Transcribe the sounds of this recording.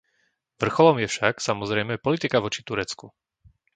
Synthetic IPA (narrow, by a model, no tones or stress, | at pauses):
ʋr̩xɔlɔmjɛfʃaksamɔzɾɛjmɛpɔlit̪ikaʋɔt͡ʃit̪uɾɛt͡sku